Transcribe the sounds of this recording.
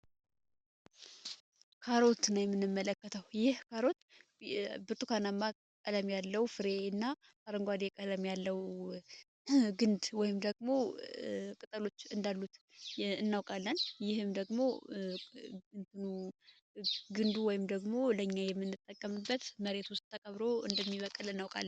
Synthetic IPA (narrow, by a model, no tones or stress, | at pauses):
kʰaɾo̞t̪najɛmːɨnːɨmːələkːət̪ʰəwjɪhkʰaɾo̞t̪ | bɨt̪ʼukʰanamːa | kʼələmjalːəwfɨɾe̞ɨnːa | kʰʼaɾəŋɡʷwad̪ekʼələmjalːəw | ɡɨnd̪wɔjɪmd̪əɡmo̞ | kʼɨt̪ʼəlo̞t͡ʃːɨnd̪alːut̪ | ɨnːawkʼalːənjɪhɨmd̪əɡmo̞ | ɨnt̪ʰɨnu | ɡɨnd̪uwɔjɪmd̪əɡmo̞ləɲːajɛmːɨnːɨt̪ʼːəkʼːəmɨbːət̪məɾe̞t̪wʊst̪̚ʼt̪ʰːəkʼəβɾo̞ɨ̰nd̪əmːiβəkʼːɨlɨnːawkʼa̰lːən